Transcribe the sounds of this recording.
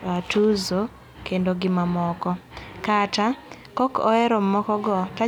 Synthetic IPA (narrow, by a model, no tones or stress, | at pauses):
atuzo | kendoɡɪmamɔkɔkatakɔkɔ̰ɛɾomːɔkɔɡɔta